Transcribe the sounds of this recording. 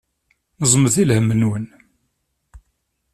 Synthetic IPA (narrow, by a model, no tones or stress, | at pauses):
nəzˤməθilhəmːənwən